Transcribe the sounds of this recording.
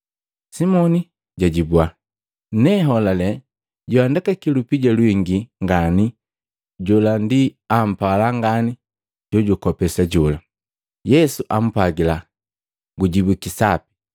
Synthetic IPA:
simɔni | ɟaɟibua | nɛɦɔlalɛ | ɟuandakakilupiɟalwiŋɡiŋɡani | ɟɔlandiam̩palaŋɡani | ɟ̥ɔɟukɔpɛsaɟɔla | jɛsuʔam̩paɡila | ɡuɟibukisapi̥

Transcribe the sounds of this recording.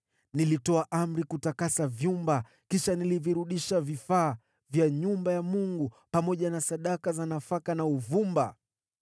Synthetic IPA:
nilitɔaʔam̩ɾikutakasavjumba | kiʃaniliviɾuɗiʃavifaː | vjaɲumbajamuŋɡu | pamɔʄanasaɗakazanafakanauvumba

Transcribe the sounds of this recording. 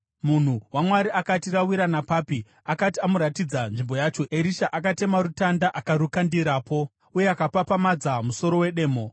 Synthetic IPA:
mun̤uwamwaɾiakatirawiɾanapaːpi | akatiamuɾatid͡zanʐimbo̞jaːt͡ʃo̞eɾiʃaʔakate̞marutandaʔakaɾukandiɾaːpo̞ | uje̞akapapamad͡zamuso̞ɾo̞we̞ɗe̞ːmo̞

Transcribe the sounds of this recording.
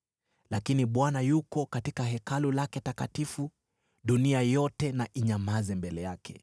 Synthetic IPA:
lakiniɓwanajukɔkatikaɦɛkalulakɛtaka̰tifu | ɗuniajɔtɛnaʔiɲamazɛmbɛlɛjakʰɛ̰

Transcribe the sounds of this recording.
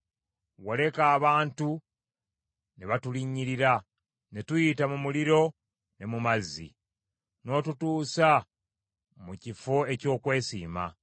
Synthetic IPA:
wole̞kaːβaːntu | neβatuliɲːiɾiɾa | ne̞tujitamumuliɾo̞ | ne̞mumazːḭ | no̞ːtutuːsa | mucifo̞e̞co̞ːkwe̞ːsḭːma̰

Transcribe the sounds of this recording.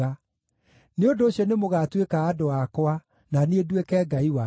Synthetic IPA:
a | neondoːɕjɔnemoɣatwekaːdoakɔa | naneedwekɛːɡaiwa

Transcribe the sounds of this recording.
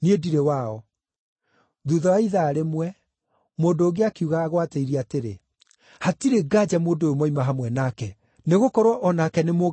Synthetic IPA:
niediɾewaːɔ | ðuðɔaiðaːɾemwɛ | moːndoːɣeakiuɣaːɣwateiɾiateɾe | hatiɾeɡaːd͡ʑamoːndojomɔimaɦamwɛnakɛ | neɣokɔɾwaʔɔnakɛnemo

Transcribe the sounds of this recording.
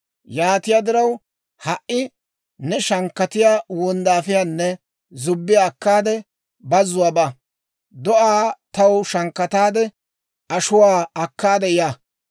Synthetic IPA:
jaːt̪ɪjaːd̪ɪɾɐw | hɐʔːɪ | nɛʃɐŋkːɐt̪ɪjaːwɔnd̪aːfɪjaːnːɛ | zʊbːɪjaːkːaːd̪ɛ | bɐzːʊwaːba | d̪ɔʔaːt̪ɐwʃɐŋkːɐt̪aːd̪ɛ | ɐʃʊwaːɐkːaːd̪ɛjaː

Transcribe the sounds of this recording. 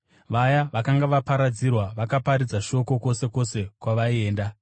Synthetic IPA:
ʋajaʋakaŋɡaʋapaɾad͡zirwaʋakapaɾid͡zaʃo̞ko̞ko̞se̞ko̞se̞kwaʋaie̞ːnda

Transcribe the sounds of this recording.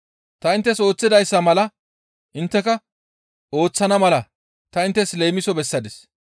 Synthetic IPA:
t̪ɐɪnt̪ːɛso̞ːt͡sːɪd̪ɐjsːɐmɐlɐ | ʔɪnt̪ːɛkɐ | o̞ːt͡sːɐnɐmɐlɐ | t̪ɐɪnt̪ːɛsle̞ːmɪsɔbɛsːɐd̪ɪs

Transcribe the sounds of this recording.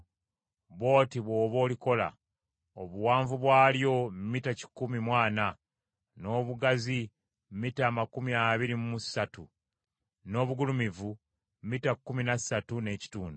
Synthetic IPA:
βo̞ːtiβwo̞ːβo̞ːliko̞la̰ | oβuwaːɱvuβwaːljo̞mːitaci̥kumimwaːna | no̞ːβuɡazi | mmitaːmakumiaβiɾimumusatu | no̞ːβuɡulumivu | mmːitakːuminasatune̞ːci̥tuːndu

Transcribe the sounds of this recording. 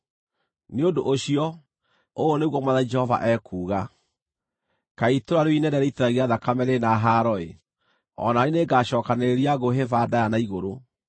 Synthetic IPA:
neodoʔoɕiɔ | ooneɣwɔmwaðaid͡ʒɛhɔva̰ʔɛkuːɣa | kaitoɾaɾoinɛdɛɾeiteɾaɣiaðakamɛɾenaɦaɾɔḛ | ɔ̰naineɡaɕɔːkaneɾeɾiaɣoɦevaːdajanaiɣoɾo

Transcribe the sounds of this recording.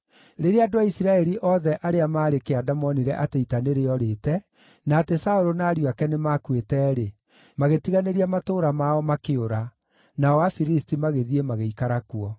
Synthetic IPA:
ɾeɾeadoaisiɾaɛɾiʔɔðɛʔaɾeamaːɾekeadamɔniɾɛʔateitaneɾeɔɾeːtɛ | naːtesaoɾonaːɾiwakɛnemakwetɛːɾe | maɣetiɣaneɾiamatoːɾamaɔmakeoɾa | naɔwafiɾistimaɣeðiemaɣeikaɾakuɔ

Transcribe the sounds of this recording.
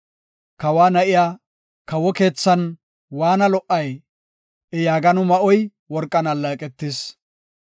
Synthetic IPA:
kɐwaːnɐʔɪjaː | kɐwɔke̞ːt͡sːɐn | waːnɐlɔʔɐj | ɛjaːɡɐnʊmɐʔɔj | wɔɾkʼːɐnɐlːɐkʼɛt̪ːɪs

